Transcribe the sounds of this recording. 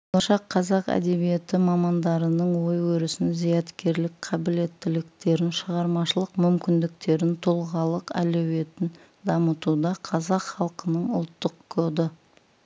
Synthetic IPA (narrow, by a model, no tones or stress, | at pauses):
bolˠɑʃɑqʰːɑzɑqæ̰d̪e̞bije̞t̪ɪmɑmɑnd̪ɑɾənəɴwo̞jwɵɾɪsɪnzijɑt̪kʲe̞ɾlɪkqʰɑbɪle̞t̪ːɪlɪk̚t̪e̞ɾɪnʃəʁɑɾmɑʃəlˠəqmʏmkʲɪnd̪ɪk̚t̪e̞ɾɪnt̪ʰolˠʁɑlˠəqæ̰lewe̞t̪ɪn | d̪ɑmət̪ud̪ɑqʰɑzɑqχɑlˠqənəɴʊ̰lˠt̪ːəqkʰod̪ə